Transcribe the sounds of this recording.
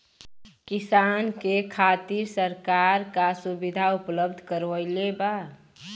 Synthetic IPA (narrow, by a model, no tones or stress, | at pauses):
kɪsaːnkekʰaːt̪iɾsəɾkaɾkasubid̪ʱaʊpləbd̪ʱkəɾʋəɪleba